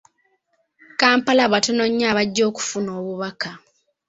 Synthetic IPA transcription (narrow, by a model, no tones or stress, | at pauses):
kaːmpalaβatono̞ɲːaːβaɟːo̞ːku̥funo̞ːβuβaka